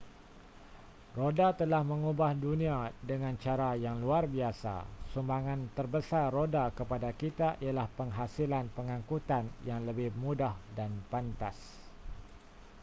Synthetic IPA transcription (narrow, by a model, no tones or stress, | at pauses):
rodat̪əlahmə̃ŋubahdunĩadəŋãnt͡ʃaɾajaŋluarbiasa̰sumbaŋãnt̪ərbəsarrodakəpadakit̪aʔialahpəŋɦasilanpəŋãŋkut̪anjaŋləbɪhmudahdanpant̪as